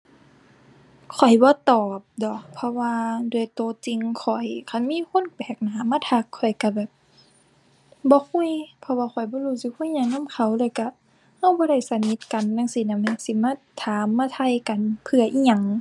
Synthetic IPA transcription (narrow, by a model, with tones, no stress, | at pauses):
kʰɔ˨˩jbɔː˧˦t̪ɔː˨˩p̚dɔ˧˦pʰːɔ˧waː˧du˧˩ə˨jt̪oː˨˩t͡ɕi˧ŋkʰɔ˨˩jkʰa˧˩˨nmiː˧˥˨kʰo˧˥˨nbɛː˨˩k̚naː˨˦maː˧˥˨t̪ʰa˧˦kʰːɔ˨˩jka˧˩bɛː˨˩p̚ | bɔː˧˦kʰu˧˥˨jpʰɔ˧waː˧kʰɔ˨˩jbɔː˧˦luː˧˩si˧˦kʰu˧˥˨jɲa˧˩ŋna˧˥˨mkʰa˧˩wlɤː˧˩jka˧˩ | ha˧˩˨wbɔː˧˦ɾa˧˩jsa˧ni˧˦t̪̚ka˨nːaː˧˥˨ŋsiː˧˦˨na˧˩ma˧˨si˧˦maː˧˥˨t̪ʰaː˨˦mːaː˧˥˨t̪ʰa˧˩˨jka˨npʰɯ˧ɐʔiː˧˥˨ɲa˧˩ŋ